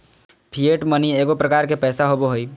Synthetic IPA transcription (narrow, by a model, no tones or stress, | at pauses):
pʰieʈmənieːɡopɾəkaːɾkepɛːsaɦoboɦoi